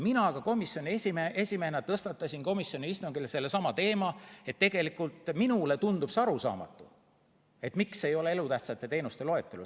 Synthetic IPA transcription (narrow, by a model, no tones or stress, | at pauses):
minɑɡ̥ɑko̞misːjo̞nʲiesʲimeʔesʲime̞ːnɑt̪ɤst̪ɑt̪ːˑɑsʲinko̞misːjo̞niist̪uŋɡ̥ilse̞lːesɑmɑt̪e̞ːmɑe̞t̪ːe̞ɡ̥e̞likˑult̪ˑminule̞t̪und̪upsɑɾusɑ̰ːmɑ̰t̪ːˑu | e̞t̪mikse̞jo̞le̞elut̪æht̪sɑt̪ːˑe̞t̪e̞ːnust̪e̞lo̞e̞t̪ːˑelṵ